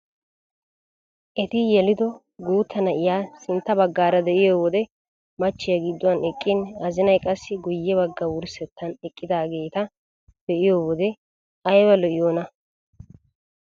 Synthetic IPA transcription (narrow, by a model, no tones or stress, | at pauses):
ʔɛt̪ɪjɛlɪd̪ɔ | ɡuːt̪ʰːɐnɐʔɪjaːsɪnt̪ːɐbɐɡːaːɾɐd̪ɛʔɪjoːwɔd̪ɛ | mɐt͡ʃːɪjɐɡɪd̪ːʊwɐnɛkʼːɪnɐzɪnɐjkʼɐsːɪɡʊjːɛβɐɡːɐwʊɾsɛt̪ʰːɐnɛkʼːɪd̪aːɡe̞ːt̪ɐ | d̪̥ɛʔɪjoːwɔd̪ɛ | ɐjbɐlɔʔɪjoːnɐ